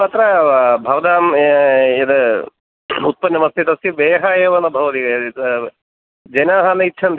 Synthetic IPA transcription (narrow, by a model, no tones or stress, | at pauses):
pɐt̪ɾɐbʱɐʋɐd̪aːm | ed̪ɐ | ut̪̚pɐnːɐmɐst̪it̪ɐsiʋeːɦɐjeːʋɐnɐbʱɐʋɐt̪ikɐd̪ | d͡ʒɐjnaːɦɐnɐit̪ːʃʰɐn